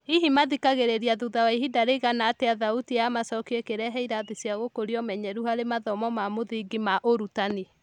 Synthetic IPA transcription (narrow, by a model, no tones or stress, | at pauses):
iɦimaðikaɣeɾeɾiaðuðawaiɦidaɾeɣanaːteaðautijamasɔkiekeɾɛɦɛiɾaðisjaɣokoɾiɔmɛɲɛɾuhaɾemaðɔmɔmamoðiɡimaʔoɾutane